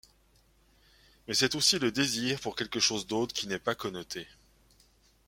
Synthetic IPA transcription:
mɛsɛt̪osiləd̪eziːʁpuʁkʲɛlkəʃozd̪ot̪χkʲinɛpakɔnɔt̪ʰe

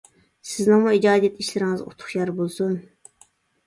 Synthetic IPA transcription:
sɪznɨŋmuid͡ʒɑːd̪ijɛt̪ʰiʃlɪɾɪŋɪzo̰t̪ʰʊ̥χjɑɾbolˠsun

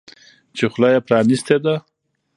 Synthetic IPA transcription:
t͡ʃexʊlɑjapɾɑnist̪ed̪a

